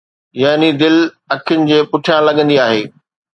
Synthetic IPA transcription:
jaːnid̪ɪl | ɐkʰjʊnɪ̆d͡ʑeːpʊʈʰijãlɐɠə̃nd̪iaːɦeː

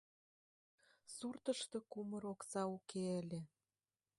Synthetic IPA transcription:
surt̪ə̆ʃt̪ĕkumə̆ɾoksɑukeəlʲĕ

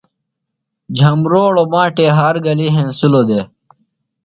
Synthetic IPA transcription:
d͡ʑʱɐmɾoːɽoːmãːʈeːɦaːɾɡɐliɦẽːsuloːd̪eː

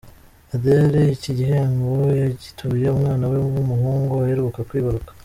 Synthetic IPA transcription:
adeɾeiciɟiɦeaŋɡojaɟitʰuβjeumŋaːnaweɡumuhuːŋɡoaheɾukakwiːβaɾukḁ

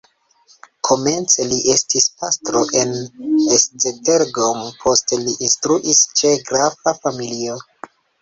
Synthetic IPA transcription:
kʰo̞me̞nt͡se̞liʔe̞stispastɾo̞ʔe̞nesd͡zeteɾɡompʰo̞steliʔinstɾuʔist͡ʃe̞ɡɾavafamilio̞

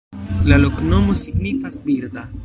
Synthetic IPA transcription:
lalo̞kno̞mo̞siɡnifasbiɾd̪a

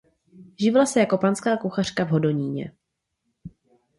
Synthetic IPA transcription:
ʒɪvɛlasɛjako̞panskaːkuxar̝̥kavɦo̞do̞ɲiːɲɛ̰

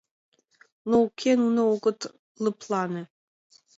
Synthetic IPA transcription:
noukʲʰenunooɡɤ̆t̪ | lɨ̆pʰlˠɑnĕ

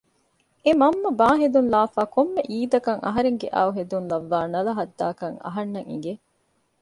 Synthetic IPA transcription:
emɐmːɐbaːɦed̪unlaːfaːkomːeʔiːd̪ɐkɐŋɐ̰ɦɐɾeŋɡeʔa̰ːuɦed̪unlɐʋːaːnɐlɐɦɐd̪ːaːkɐŋɐ̰ɦɐnːɐŋḭŋɡe

